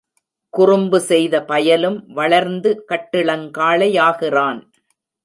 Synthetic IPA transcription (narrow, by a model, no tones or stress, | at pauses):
kʊrʊmbɯsɛjðɐpɐjɐlɯmʋɐɭɐɾnd̪ɯkɐʈːɪɭɐŋkaːɭɐjaːɣɪraːn